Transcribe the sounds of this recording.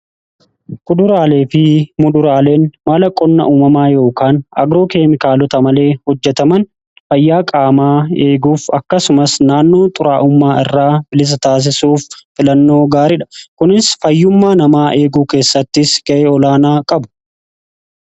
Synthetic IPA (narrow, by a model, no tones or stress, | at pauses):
kʊd̪ʊɾaːle̞ːfɪmʊd̪ʊɾaːle̞ːnmaːlɐkʼɔnːɐ̰ʔuːmɐmaːjo̞ːkaːnɐ̰ɡɾo̞ːke̞ːmɪkaːlɔt̪ɐmɐle̞ːhɔd͡ʒːɛt̪ɐmɐn | fɐjːaːkʼaːmaːe̞ːɡuːfɐkːɐsʊmɐsnaːnːo̞ːt̪ʼʊɾaːʔʊmːaːɪ̰rːaːbɪlɪs̬ɐt̪aːs̬ɪsuːfːɪlɐnːo̞ːɡaːɾɪᶑɐ̥kʊnɪsfɐjːʊmːaːnɐmaːʔe̞ːɡuːke̞ːsːɐt̪ːɪsɡ̥ɐʔeːɔlaːnaːkʼɐbʊ̥